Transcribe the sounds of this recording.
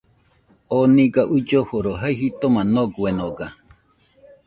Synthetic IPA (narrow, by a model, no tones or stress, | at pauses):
onĩɡaʔud͡ʒohoɾoɦajɦit̪omãnoɡwenoɡa